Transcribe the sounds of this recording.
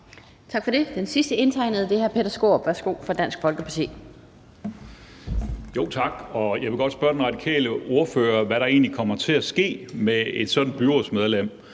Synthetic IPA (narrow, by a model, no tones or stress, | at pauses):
t͡sʰɑ̈ɡ̥fɒ̽d̥e̝d̥ensisd̥əe̝nt͡sʰɑ̈ɪ̰nəð̩ˠəd̥e̝hæɐpʰeɾɐsɡ̥o̝̰ːb̥ʋæɐsɡ̥o̝̰ːfɒd̥æn̰sɡ̥fɒ̽lɡ̥əpʰɑ̈t͡sʰḛː | jo̝̰ʊt͡sʰɑ̈ɡ̥ɒ̽jɑ̈ɪʋe̝ɡ̥ɒ̽d̥sb̥ɶɐd̥enʁɑ̈d̥ikʰɛ̰ːləo̝ɐføːɐʋæɾɑ̈e̝ːnlikʰɒ̽m̰ɐt͡sʰe̝æsɡ̥e̝̰ːmee̝d̥sɒ̽d̥n̩b̥yʁɒsmeð̞ˠlem̰